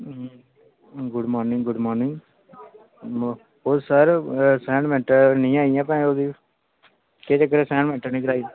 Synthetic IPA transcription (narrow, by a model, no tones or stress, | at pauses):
ɡʊɖmɔːɾnɪŋɡɡʊɖmɔːɾnɪ̃ŋɡ | oːsəɾsɛ̃ːɳmɛ̃ːʈənĩːaːijãːpɛ̃ːoːd̪iː | keːt͡ʃək̬ːəɾeːsɛ̃ːɳɖmɛ̃ːʈəɾnĩːkəɾaːiã